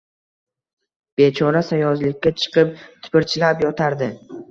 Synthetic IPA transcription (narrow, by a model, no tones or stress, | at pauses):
b̥e̞t͡ʃʰɒɾasajɒzlɪkʲːat͡ʃʰɨ̥qʰɨp̚t̪ʰɪ̥pɪɾt͡ʃʰɪlapjɒt̪ʰaɾd̪ɪ